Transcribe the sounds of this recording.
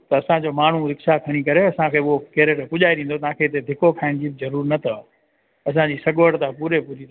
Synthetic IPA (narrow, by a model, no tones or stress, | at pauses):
t̪ɐɐsãd͡ʑomaːn̤uɾɪksakʰɐɽ̃ikɐɾeɐsãkʰeːʊɦokeɾeʈpʊʄaːeɗ̪ĩːn̆d̪ot̪ɐɦãkʰeːɪt̪ed̪ʱɪkokʰaːɪɽ̃d͡ʑiːbɪzɐɾuːɾnɐt̪ʰɐ | ɐs̬ãd͡ʑiːsɐɠʋəɽt̪ãpuːɾepuːɾi